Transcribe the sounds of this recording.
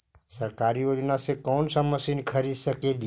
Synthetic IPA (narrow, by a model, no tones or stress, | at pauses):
səɾkaɾiod͡ʒnasekɔnsəməsinkʰəɾiʃəked̪i